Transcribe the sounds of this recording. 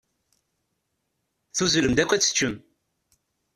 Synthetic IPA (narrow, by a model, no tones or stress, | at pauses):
θuzuləmd̪ækʷːæt͡sːə̥t͡ʃːəm